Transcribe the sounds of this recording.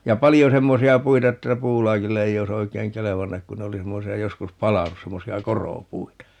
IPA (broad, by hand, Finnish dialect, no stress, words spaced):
jɑ pɑlijo semːosiɑ puitɑ etːæ puːlɑːkilːe ei ois oikeːŋ keleʋɑnːɑk kun ne oli semːosiɑ joskus pɑlɑnus semːosiɑ koroˑpuitɑ